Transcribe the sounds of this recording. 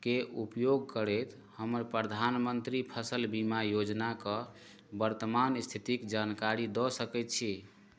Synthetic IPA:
keʔupjoɡkəɾɛt̪ | həməɾpɾəd̪ʱanmənt̪ɾipʰəsəlbimajod͡ʒnakə | bəɾt̪əmanst̪ʰit̪ikd͡ʒankaɾid̪ɔsəkɛt̪̚t͡ʃʰi

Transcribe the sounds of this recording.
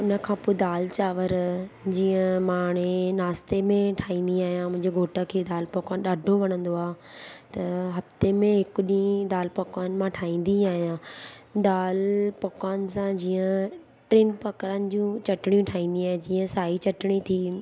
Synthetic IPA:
ʊnə̆kʰãːpoːd̪aːlt͡ɕaːʋəɾd͡ʑiːə̃maːɽ̃enaːst̪emẽʈʰaːĩːn̆d̪iaːɦijãmʊ̃ɦɪ̃ɲd͡ʑeɡʱoːʈəkʰeːd̪aːlpɐkaːnɗaːɖʱoʋɐɽ̃ə̃nd̪oaːɦ | t̪ɐɦɐft̪emẽɦɪkʊɗĩd̪aːlpɐkaːnmãʈʰaːĩːn̆d̪iaːɦijãd̪aːlpɐkaːn̆sãd͡ʑiːə̃ | ʈɾiːnpɐkɾənɪ̆d͡ʑũt͡ɕɐʈɪɽ̃ijũʈʰaːĩːn̆d̪ĩaːɦd͡ʑiːə̃saːɦit͡ɕɐʈɪɽ̃it̪ʰiː

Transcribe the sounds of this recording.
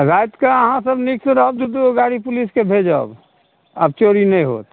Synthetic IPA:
ɾaːjt̪kaəɦãsəbnɪksɾobd͡ʒ̪ud̪uɡaːɽipʊliskebʱed͡ʒa̰ːb | ə̰b̚t͡ʃoːɾinɐĩɦo̰ːt̪

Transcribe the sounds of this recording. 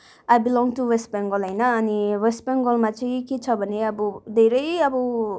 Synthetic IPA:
ajbilɔ̃ŋɡʈuwesʈ̚bẽŋɡolɦʌjnʌːniwesʈ̚beŋɡolmat͡sʌĩket͡sʰʌbʱʌneʌbʌd̪ʱeɾʌjʌbʌ

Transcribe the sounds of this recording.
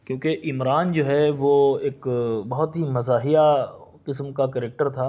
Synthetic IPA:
kjõːkeʔɪmɾaːnd͡ʒoːɦɛʋoeːkbɐɦʊt̪ɦimɐzaːɦijaqɪs̬mkakɛɾeːk̚ʈəɾt̪ʰaː

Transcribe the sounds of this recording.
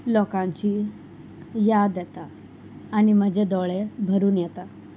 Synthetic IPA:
lɔkãɲt͡ɕi | jad̪jɛt̪aː | nim̤əd͡ʑed̪ɔɭebʱəɾuːnjɛt̪a

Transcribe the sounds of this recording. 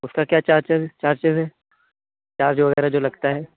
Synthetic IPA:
ʊskakjaːt͡ʃaːɾt͡ʃeːzt͡ʃaːɾt͡ʃeːzɦɛː | t͡ʃaːɾd͡ʒoʋɐɣɛːɾad͡ʒoːlɐɡt̪aɦɛː

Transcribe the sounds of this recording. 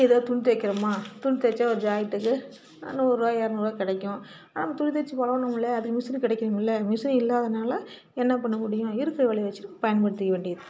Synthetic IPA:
ɪðɐːt̪ʊɳt̪ekːɪɾɐmaːt̪ʊɳt̪ɛt͡ʃːaʋɐɾd͡ʒaːjɪʈ̪ːɯkːɯ | nuːɾoːjaːɾnuːɾɐkɪɽɛkːʊ̃ | nːɐmːɐt̪ʊɻɪt̪ɛt͡ʃːɯpɐlɐʋɐ̃nɐmːɪlːɐːðɯkːɯmɪsnkɪɽɛkːɪɾɯmɪlːɐmɪsɯnɪlːaːðɐnaːlɐ | ɛnːɐpɐɳːɯmʊɽɪjʊ̃ɪɾɯkːɪɾɐʋɛɭiʋɐt͡ʃːɯɾɯkːɯpɐjɐnpɐɽɯt̪ːɯkːɐʋeːɳɖɪjɐðɯ

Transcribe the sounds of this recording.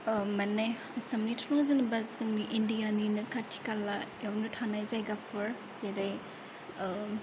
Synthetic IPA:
mɐnaj | sɐmnitʰɾuŋzinɐbaztɯŋniʔindijaninɯkʰatʰi̥kalːajawnutʰanajzajɡapʰɯɾ | zeɾaj

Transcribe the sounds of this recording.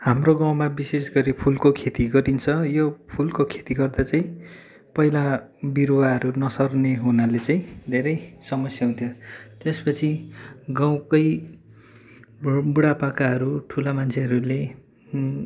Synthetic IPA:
hamroɡaw̃mabisesɡʌɾipʰulkokʰet̪iɡʌʈint͡sʰʌjopʰulkokʰe̥t̪iɡʌrd̪at͡saĩ | pʌilabiɾwaɦʌɾunʌsʌrneɦunalet͡sãĩd̪ʱeɾʌjsʌmʌsjaɦũnt̪ʰjot̪espʌt͡sʰiɡaw̃kʌj | buɽapakaɦʌɾuʈʰulamant͡sʰeɦʌɾule

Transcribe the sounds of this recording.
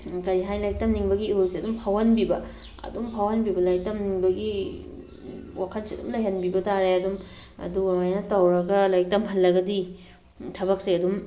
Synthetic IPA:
kɐɾiɦajlaj̚tɐmniŋbɐɡiiolseɐdumpʰawhanbibɐ | ɐ̰dumpʰawhɐnbibɐlɐj̚tɐmniŋbɐɡi | wakʰɐnsidṵmlɐjɦɐnbibɐtaɾeɐdum | ɐ̰duɡɐmajnɐtɐwɾɐɡɐlajk̚tɐmɦɐlːɐɡɐdi | tʰɐbɐk̚sejɐdum

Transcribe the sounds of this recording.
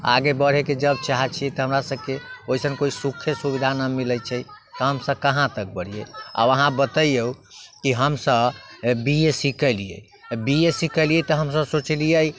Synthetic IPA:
a̰ɡebəɽ̤eked͡ʒəb̚t͡ʃaɦɛt͡ʃʰiɛt̪ɔɦəmɾasəb̚keoisənkoisukʰːesubid̪ʱanamilət͡ʃʰɛ | t̪ɔɦəmsəb̚kəɦãt̪ək̚bəɽ̤ijə̰a̰bəɦãbət̪əjeukiɦəmsəbbiesikəlijə̰ | biesikəlijet̪ɔɦəmsəbsot͡ʃlijəj

